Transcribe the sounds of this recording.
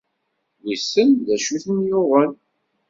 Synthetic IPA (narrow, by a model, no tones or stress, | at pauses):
lisənðæʃuθənjʊʁən